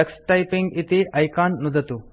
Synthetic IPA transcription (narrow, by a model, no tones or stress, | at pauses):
ɐksʈajpiŋɡit̪iʔɐjkanːud̪ʱɐt̪u